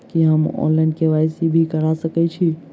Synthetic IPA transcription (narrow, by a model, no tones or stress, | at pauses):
kiɦəmɔ̰nlaɪnɖkeʋajsibʱikəɾasəkɛt͡ʃʰi